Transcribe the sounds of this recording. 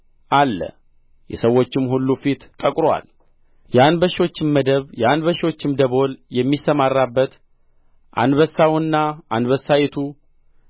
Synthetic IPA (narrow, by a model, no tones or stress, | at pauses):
ʔalːə̰ | jɛ̰səwːo̞t͡ʃːɪmhulːufit̪t̪ʼːəkʼɾowa̰l | janbəʃwo̞t͡ʃːɪnməd̪əβjanbəʃɪo̞t͡ʃːɪmd̪əβo̞ljɛmːisəmarːabːət̪ | ʔa̰nd̪βəsːawnːaʔand̪βəsːajɛt̪ʰu